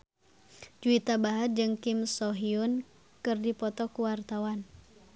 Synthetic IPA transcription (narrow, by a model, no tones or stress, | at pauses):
d͡ʒuit̪abaɦad͡ʒɨŋkimsɔɦiun | kɨrdipɔt̪ɔkuwart̪awan